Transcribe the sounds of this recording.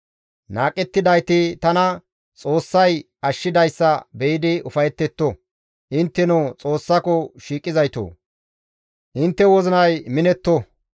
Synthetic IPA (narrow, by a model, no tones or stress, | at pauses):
naːkʼɛt̪ːɪd̪ɐjt̪ɪt̪ɐnɐ | t͡sʼoːsːɐj | ɐʃːɪd̪ɐjsːɐbɛjɪd̪ɪʊfɐjɛt̪ːɛt̪ːɔ | ʔɪnt̪ːɛnoːt͡sʼo̞ːsːɐkɔʃiːkʼːɪzɐjt̪o̰ː | ʔɪnt̪ːɛwɔzɪnɐjmɪnɛt̪ːɔ